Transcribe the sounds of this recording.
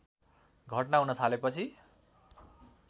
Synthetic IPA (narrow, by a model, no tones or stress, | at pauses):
ɡʱʌʈnaɦunʌt̪ʰalepʌt͡sʰi